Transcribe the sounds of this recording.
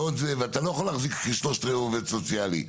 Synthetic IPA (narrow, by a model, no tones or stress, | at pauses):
od̪zeveat̪alo̞jaχolaχzikiʃloʃt̪ʁevuvetsot͡sjalḭ